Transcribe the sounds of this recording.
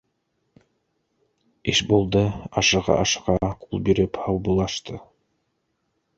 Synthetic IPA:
iʃbolˠd̪əɑʃəʁɑ̰ʔɑʃə̥qɑqʰulˠbiɾiphɑlˠbulˠɑʃt̪ɯ

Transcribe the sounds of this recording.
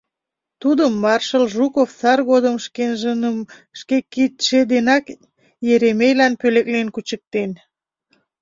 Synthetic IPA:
t̪ud̪əmːɑrʃəlʒukofsɑrɣod̪əmʃenʒəʃkekit̪ʃed̪enɑk | jeɾemejlɑnpøleklenkut͡ɕək̚t̪en

